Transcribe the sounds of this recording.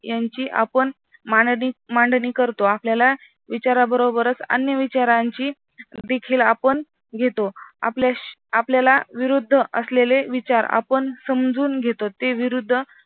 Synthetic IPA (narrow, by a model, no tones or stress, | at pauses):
jaɲt͡ɕiːʔa̰pəɳ | maɳniːmaɳɖniːkəɾt̪oapljala | ʋit͡ɕaɾabəɾobəɾət͡sə̰njəʋit͡ɕaɾaɲt͡ɕiː | d̪ekʰiːlapəɳ | ɡʱet̪oa̰pljaɕapljalaʋiɾud̪ʱːəʔəsleleʋit͡ɕaɾa̰pəɳsəmd͡zuːnɡʱet̪ot̪eʋiɾud̪ʱːə